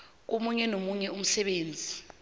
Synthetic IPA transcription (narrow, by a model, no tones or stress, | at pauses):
k̬omuɲɛnomuɲɛum̩sɛɓeːnd͡zʱi